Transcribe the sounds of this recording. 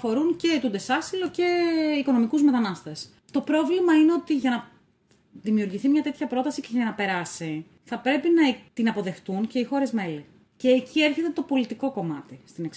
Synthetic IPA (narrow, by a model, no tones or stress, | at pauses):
ɐfo̞ɾunce̞t̪ud̪e̞sɐsilo̞ce̞iko̞no̞mikuzme̞t̪ɐnɐst̪e̞s | t̪o̞pɾo̞vlimɐineo̞t̪iʝɐnɐ | ðimiuɾʝiθimɲɐt̪e̞t̪çɐpɾo̞t̪ɐsice̞ʝɐnɐpe̞ɾɐsi | θɐpɾe̞pinɐt̪inɐpo̞ðe̞xt̪unce̞ixo̞ɾe̞zme̞li | ce̞ːcie̞ɾçe̞t̪et̪o̞po̞lit̪iko̞ko̞mɐt̪ist̪ineks